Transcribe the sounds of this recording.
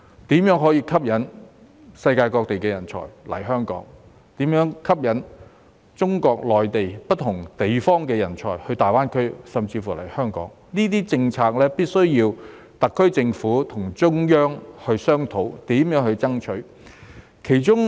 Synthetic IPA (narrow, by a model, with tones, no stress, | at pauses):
t̪iː˨˥mjœː˨˥ŋɦɔː˨˥jiː˧kʰɐ˥p̚jɐ˨˥n | sɐ˧jkaː˧jkɔː˧k̚t̪e˨jkɛː˧jɐ˨˩nt͡sʰɔ̰ː˨˩jlɐ̰˨˩jɦœː˥ŋkɔ̰ː˨˥ŋ | t̪iː˨˥mjœː˨˥ŋkʰɐ˥p̚jɐ˨˥n | t͡sʊ˥ŋkɔː˧k̚lɔː˨jt̪e˨jpɐ˥t̚t̪ʰʊ˨˩ŋt̪e˨jfɔː˥ŋkɛː˧jɐ˨˩nt͡sʰɔ̰ː˨˩jhɵ˧ɥt̪aː˨jwaː˥nkʰɵ˥ɥsɐ˨mt͡siː˧fuː˨˩lɐ˨˩jhœː˥ŋkɔ̰ː˨˥ŋ | niː˥t̪̬iː˥t͡sɪ˧ŋt͡sʰaː˧k̚lɛː˥piː˥t̚sɵ˥ɥjiː˧w | t̪ɐ˨kʰːɵ˥ɥt͡sɪ˧ŋfuː˨˥t̪ʰʊ˨˩ŋt͡sʊ˥ŋjœː˥ŋhɵ˧ɥsœː˥ŋt̪ʰo˨˥wt̪iː˨˥mjœː˨˥ŋhɵ˧ɥt͡sɐ˥ŋt͡ʃʰɵ˨˥ɥ | kʰe˨˩jt͡ʃʊ˥ŋ